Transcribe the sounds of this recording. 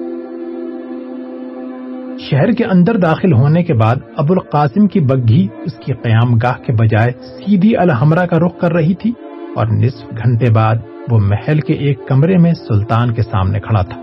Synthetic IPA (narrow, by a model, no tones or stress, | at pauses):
ʃɛɦɾkeʔɐ̃nd̪əɾd̪aːxɪlɦoːnekebaːd̪ɐbʊlqaːsɪmkibɐɡʱiʊskiqɐjaːmɡaːɦkebɐd͡ʒaːesiːd̪ʱiɐlɦɐmɾakaɾʊqkɐɾːɐɦit̪ʰi | ɔ̰ːɾnɪsfɡʱɐ̃ɳʈebaːd̪̚ | ʋomɛhɛlkeʔeːkːɐmɾemẽsʊlt̪aːnkesa̰ːmnekʰɐɽa̰t̪ʰḁː